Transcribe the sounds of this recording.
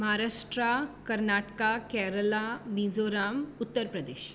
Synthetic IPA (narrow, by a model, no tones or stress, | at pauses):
mɦaɾaʂʈɾakɐɾnaʈkakɛɾəlamid͡zoɾaːmut̪ːəɾpɾəd̪eːɕ